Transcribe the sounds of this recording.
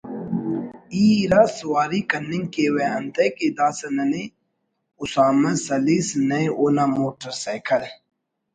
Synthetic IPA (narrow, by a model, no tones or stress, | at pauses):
iːɾaswaːɾikɐnːɪŋkeweɐnt̪ʰɐked̪aːsɐnɐne | ʊsaːmɐsɐlisnɐjʔoːnamoːʈɐɾsaːjkʰɐl